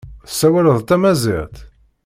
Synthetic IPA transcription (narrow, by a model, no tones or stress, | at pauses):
sːæwæləðˤt̪æmæzḭʁt̪